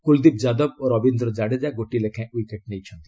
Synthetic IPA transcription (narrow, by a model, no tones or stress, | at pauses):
kuld̪ib̚d͡ʒad̪ɔboɾɔbind̪ɾɔd͡ʒaɽed͡ʒaɡoʈilekʰɛ̃uikeʈ̚nejt͡ʃʰɔnt̪i